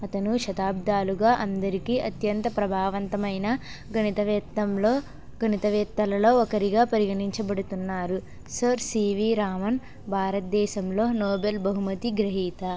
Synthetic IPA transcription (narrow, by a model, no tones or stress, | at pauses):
ɐt̪ɐnuʃɐt̪aːb̚d̪aːluɡaːʔɐnd̪ɐɾikiːɐt̪jɐnt̪ɐpɾɐbʱaːʋɐnt̪ɐmɐjnɐ | ɡɐnit̪ɐʋɛt̪ːɐmloː | ɡʱɐnit̪ɐʋɛːt̪ːɐlɐlo̞ːɔkɐɾiɡaːpɐɾiɡɐɳiɲt͡ʃɐbɐɽut̪unːaːɾu | sɐɾsiːʋiːɾaːmɐn | bʱaːɾɐt̪̚d̪ɛːʃɐmlo̞ːnɔːbelbɐɦumɐt̪iɡɾɐɦiːt̪ɐ